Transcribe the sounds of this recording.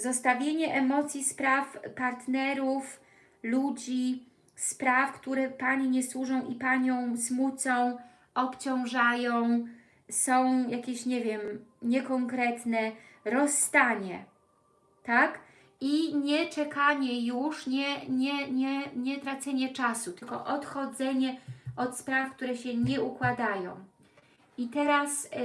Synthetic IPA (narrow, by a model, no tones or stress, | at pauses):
zɔst̪avʲjeɲɛʔɛmɔt̪sʲjispɾafpaɾt̪nɛɾuf | lud͡ʑi | spɾafkt̪uɾɛpaɲiɲɛswuʐɔ̃w̃ʔipaɲɔ̃w̃smut̪sɔ̃w̃ | ʔɔpt͡ɕɔ̃w̃ʐajɔ̃w̃ | sɔ̃w̃jakʲeɕɲɛvʲjɛmɲɛkɔŋkɾɛt̪nɛɾɔsːt̪aɲɛ | t̪ak | iɲɛt͡ʂɛkaɲɛjuʂɲɛɲɛɲɛɲɛt̪ɾat̪sɛɲɛt͡ʂasut̪ɘlkɔ̰ʔɔt̪xɔd̪zɛɲɛɔt̪spɾafk̚t̪uɾɛɕɛɲɛukwad̪ajɔ̰̃w̃ | it̪ɛɾas